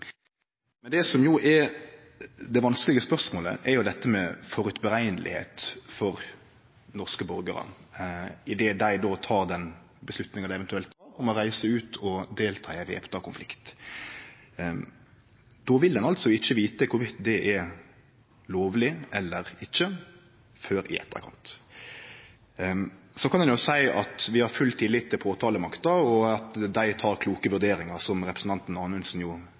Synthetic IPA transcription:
mɛnd̪ɛːsɔmjʊʔɛ | d̪ɛʋɑnskəlɪɡəspœʁsmoːlə̰ʔɛɾjʊd̪ɛt̪ːəmɛfɔɾʉt̪bəɾæɪnəlʔɪ̰hḛːt̪fɔɾ | nɔʁskəbɔɾɡəɾə̰ | ɪd̪eːd̪æɪd̪oːt̪ʰɑːʁd̪ɛn | bəslʉt̪nɪŋɑd̪æɪɛʋɛnt̪ʉɛlt̪ɑːɾɔmɔʁæɪsəʉːt̪ʰɔd̪eːlt̪ʰɑːæɪʋḛːpt̪ɑkʰʊnflɪkt̪ | d̪̥ɔʋɪld̪ɛnɑlt̪sɔɪçːəʋiːt̪əkʰʊɾʋɪt̪d̪ɛʔɛ | loːʋlɪʔɛlːəɾɪçːə | føːɾɪ̰ʔɛ̰t̪əʁə̰kʰɑ̰nt̪ | sɔkʰɑnɛnjʊsæɪʔɑt̪ʋɪhɑɾfʉlt̪ʰɪlɪt̪ʰːɪlpʰoːt̪ʰɑːləmɑkt̪əɾɔɑt̪d̪æɪt̪ʰɑːɾkʰluːkəʋʉd̪eːɾɪŋɑɾsɔmɾɛpɾsn̩t̪ʰɑnt̪n̩ɑːnʋɛnsn̩jʊ

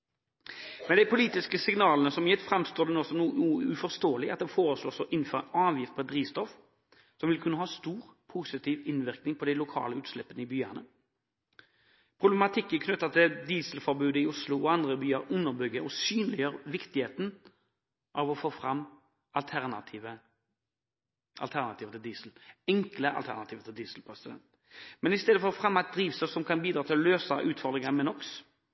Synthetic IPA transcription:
mɛnd̪ɪpʰʊliːt̪ɪskəsɪŋnɑːlənəsɔmjɛt̪fɾɑmst̪oːd̪ɛnɔːsɔmnuːuːəʉfɔʁst̪oːəlɪɑt̪̚d̪ɛfoːɾʁəsloːsɔʔɪn̩fɔʁɛnɑːʋjɪft̪̚pʰɔɛt̪̚d̪ʁiːst̪ɔf | sɔmʋɪlkʰʉnːəɦɑːst̪uːʁpʰʊsɪt̪ʰiːʋɪnʋɪʁknɪŋpʰɔd̪ɛɪlʊkʰɑ̰ːləʉːt̪slɛpːənəɪbyːənə | pʰʁʊblɛmɑt̪ʰɪkːənkʰnʉt̪ːɑt̪ʰɪd̪iːsəlfɔɾbʉːd̪əɪʊslʊɔɑnd̪ʁəbyːɑɾʊnːəʁbʏɡːəʔɔsyːnlɪjøːɾʋɪkt̪ɪheːt̪n | ʔɑʋɔfoːfɾɑmː | ʔɑlt̪ʰæʁnɑ̰t̪ʰiːʋə | ʔɑ̰lt̪ʰæʁnɑt̪ʰiːʋət̪ʰɪld̪iːsl̩ɛŋkləʔɑ̰lt̪æ̰ʁnɑt̪iːʋət̪ʰɪld̪iːslpʰɾɛsɪd̪ɛ̰nt̪ | mɛnɪst̪eːd̪əfɔʁɔfʁɑmːɑɪt̪̚d̪ɾiːʋsəsɔmkʰɑnbiːd̪ɾɑːt̪ʰɪlløːsɑʔʉːt̪fɔɾd̪ʁɪŋɑmɛnɔks

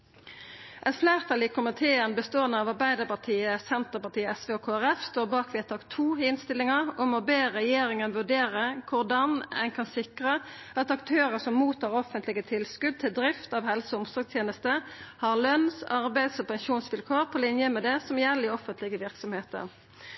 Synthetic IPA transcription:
ʔɛt̪flæːʁt̪ʰɑliːkʰʊmɪt̪ʰeːənbəst̪oːənːəɑʋɑʁbæɪd̪əʁpɑʁt̪ʰiːəsɛnt̪əʁpɑt̪iːəɛsʋeːɔkʰoːæʁɛfst̪oːʁbɑːkʋɛːt̪ʰɑːkt̪ʰuːɪnst̪ɪlɪŋəʁɔmɔbeːʁɛjeːɾɪŋənʋʉɖeːʁəkʰʊʁd̪ɑnɛ̰ɪnkʰɑnsɪkʁəʔɑt̪ɑkt̪ʰøːɾəsɔmːuːt̪ʰːɑːʁɔfənt̪lɪɡət̪ʰɪlskʉd̪̚t̪ʰɪld̪ʁɪft̪ɑʋhɛlsəʊmsɔːɡst̪ʰjeːnəst̪əhɑʁlœnsɑʁbæɪd̪sɔpɛŋʃuːnsʋɪlkʰoːʁpʰɔlɪnjəmɛd̪ɛsɔmjɛlːɪɔfənt̪ʰlɪɡəʋɪʁksɔmheːt̪ə̰ʁ

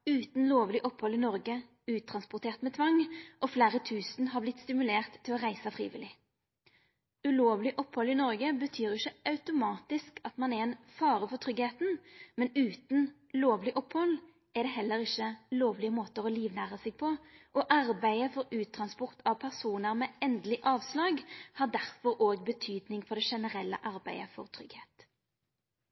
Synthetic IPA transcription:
ʉːt̪n̩loːʋlɪʔɔphɔlːɪnɔʁɡə | ʉːt̪ʰɾɑnspʊʁt̪ʰeːʁt̪mɛːt̪ʰʋɑŋʔɔfleːʁət̪ʰʉːsnɦɑʁblɪt̪st̪ɪmʉleːʁt̪ʰːɪlɔʁæɪsəfʁḭːʋɪ̰lɪ | ʉloːʋlɪʔɔphɔlɪnɔʁɡəbət̪ʰyːɾɪçəɑʉt̪ʊmɑːt̪ɪskɑt̪mɑnɛɛnfɑːʁəfɔt̪ʰʁʏɡheːt̪nmɛnʉːt̪n̩ | loːʋlɪʔɔphɔl | ɛʁd̪ɛːɦɛlːəʁɪçəloːʋlɪəmoːt̪əʁɔliːʋnæːʁəsɪɡ̚pʰɔʔɔʔɑʁbæɪəfɔɾʉːt̪ʰɾʁɑnspɔʁt̪ʰɑʋpʰæʁsuːnəɾmɛːɛnd̪lɪʔɑːʋslɑːɡhɑd̪æʁfɔɾoːɡbət̪ʰyːd̪nɪŋfɔʁd̪ɛʃɛnəʁɛlːə̰ʔɑʁbæɪəfɔ̰ʁt̪ʰɾʏɡheːt̪

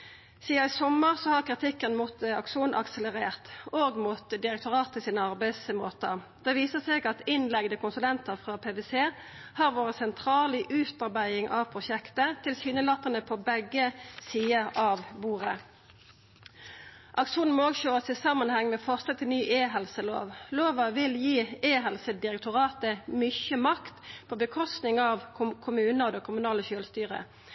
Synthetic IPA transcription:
siːɑɪsɔməʁsɔhɑʁkʁɪt̪ʰɪkːənmut̪ɑ̰kʂuːnʔɑ̰ksələʁeːʁt̪oːɡmut̪d̪ɪʁɛk̚t̪ʊʁɑːt̪ʰːɪlsiːnəɑʁbæɪsmoːt̪əʁ | d̪̥ɛʋiːsəseːɡɑt̪ɪnlɛɡd̪əkʊnsʉlɛnt̪əʁfʁɑpʰeːʋeːseː | hɑʁʋoːʁəsɛnt̪ʰʁɑːliʔʉːt̪ɑʁbæɪɪŋʔɑːʋpʰʁʊʃɛkt̪ət̪ʰɪlsyːnəlɑt̪ːənəpʰɔbɛɡəsiːəʔɑʋbuːʁə | ʔɑkʃuːnn̩mɔoːɡɕøːʁəsɪsɑmːənhɛŋːmɛːfɔʁsət̪ʰɪlnyːʔeːɦɛlsəlo̰ːʋloːʋɑʋɪljiːeːɦɛlsəd̪ɪʁɛk̚t̪ʊʁɑːt̪əmʏçəmɑkt̪pʰɔbəkʰɔst̪nɪŋɑʋʰkʰʊmʉːnəʁd̪ɛkʰʊmʉnɑːləʃøːlst̪yːʁə̰

